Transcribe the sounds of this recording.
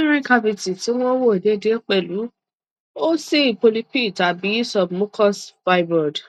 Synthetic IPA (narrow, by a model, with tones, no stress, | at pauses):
ɾ̃ĩ˦ka˧bi˧ti˨ti˨˦w̃ɔ̃˦wo˦e˨de˨˦˨de˨˦k͡pɛ˦˨lu˨˦ | o˦si˦i˨po˧li˦pi˦˨ta˨bi˨˦sɔ˧bmõ˦kɔ˦sfa˧jbɔ˨d